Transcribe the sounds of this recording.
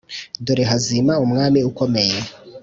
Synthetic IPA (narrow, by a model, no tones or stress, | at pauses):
doɾeɦazimaumŋaːmiuko̞me̞je